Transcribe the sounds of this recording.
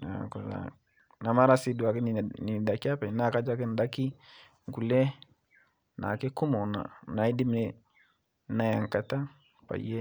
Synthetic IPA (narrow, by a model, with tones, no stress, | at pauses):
na̰˨ko˨la̰˨ | na˨ma˦ɾa˦si˨˦du˨a˨kɪ˦n˨ni˨da˨ki˦a˦pɛ˨˦na˦˨ka˦d͡ʒa˦kɪ˦n˨da˦ki˦ | ŋ˨ku˨lɛ˦ | na̰˨ke˦ku˦mɔ˨na̰˨na˨i˦di˦mne˨ | na˦ja˨ŋka˨ta˦ | pa̰˨je˦